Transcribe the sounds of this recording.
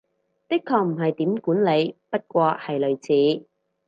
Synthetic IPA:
t̪ɪ˥kʰːɔː˧k̚m̩˨˩ɦɐ˨jt̪iː˨˥mkuː˨˥nle˨˧jpɐ˥t̚kʷɔː˧hɐ˨jlɵ˨ɥt͡sʰiː˨˥

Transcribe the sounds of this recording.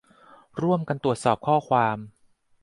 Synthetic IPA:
ɾu˥˩əmka˧nt̪u˨˩ət̪̚sɔː˨˩p̚kʰɔː˥˩kʰwaː˧m

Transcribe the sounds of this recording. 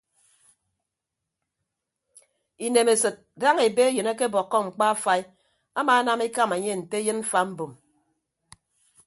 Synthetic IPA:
i˨ne˨me˨sɨ˨t̚da˦ŋe˨be˦e˦jɨ˨ne˦ke˦bɔ˨kːɔ˦ŋ͡m̩˨k͡pa˦a˦fa˦i˦ | a˦maː˨a˦na˦me˦ka˦˨me˨ɲe˦n̩˨te˦jɨ˦nm̩˦fa˨m̩˦bo˨m

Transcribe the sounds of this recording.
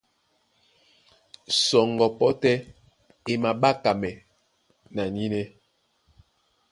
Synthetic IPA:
sɔ˨ŋɡɔ˨pɔ˦tɛ˦ | e˨ma˨ɓa˦ka˨mɛ˨ | na˨ni˦nɛ˦

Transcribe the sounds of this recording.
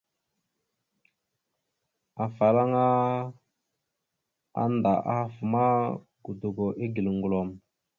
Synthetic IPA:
a˨fa˨la˦ŋa˦ | a̰˦nda˨ʔa̰˦a˦fu˨ma˦ | ɡ̥u˨du˨ɡo˨ʔi˦ɡi˨lŋɡu˨lo˨m

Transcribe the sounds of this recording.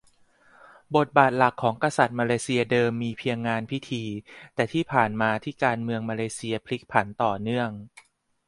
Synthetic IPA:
bo˨˩t̪̚baː˨˩t̪̚la˨˩kʰːɔː˩˦ŋka˧sa˨˩t̪̚maː˧leː˧si˧ɐdɤː˧mːiː˧pʰi˧əŋːaː˧npʰi˦˥t̪ʰiː˧t̪ɛː˨˩t̪ʰiː˥˩pʰaː˨˩nmaː˧t̪ʰiː˥˩kaː˧nmɯ˧əŋmaː˧leː˧si˧ɐpʰli˦˥k̚pʰa˩˦nt̪ɔː˨˩nɯ˥˩əŋ

